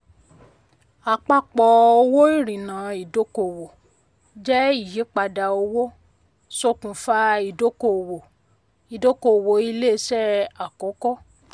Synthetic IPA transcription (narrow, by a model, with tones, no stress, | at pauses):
a˨k͡pa˦k͡pɔ˨o˧wo˦i˦˨ɾĩ˨nã˨i˨do˨˦ko˨wo˨ | d͡ʒɛ˦i˦˨ji˨˦k͡pa˧da˧o˧wo˦ | so˧kũ˨fa˦i˨do˨˦ko˧˨wo˨ | i˨do˦ko˧˨wo˨i˧le˦˧˦sɛ˦a˨kɔ˨˦kɔ˦˨